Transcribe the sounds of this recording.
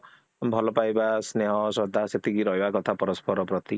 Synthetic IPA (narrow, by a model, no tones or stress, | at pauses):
bʱɔlɔpajbasneɦɔsɔd̪ʱaset̪ʰikiɾɔɦibakɔt̪ʰapɔɾɔspɔɾɔpɾɔt̪i